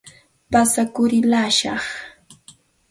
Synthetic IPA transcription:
pasakʊɾɪlaːʃɑχ

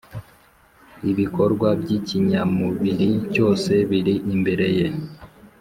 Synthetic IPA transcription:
iβiko̞ɾɡwabɟiciɲamuβiɾico̞ːse̞βiɾiʔimbe̞ɾe̞je̞

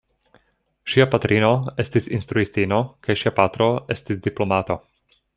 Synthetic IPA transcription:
ʃiapat̪ɾʔino̞e̞stisinst̪ɾuistino̞kajʃiapat̪ɾo̞e̞stisdiplo̞mato̞

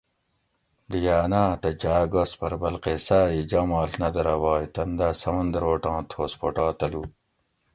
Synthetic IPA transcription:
d̪ijaːnaːt̪ɐd͡ʑaːɡospɐɾbɐlqesaːid͡ʑɐmaːlnɐd̪ɐɾɐwaːjt̪ɐnd̪asɐmɐnd̪ɾoːʈãːt̪ʰoːspoʈaːt̪ɐlu

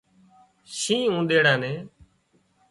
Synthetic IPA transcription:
ʃĩːũːd̪eːɽãːnẽː

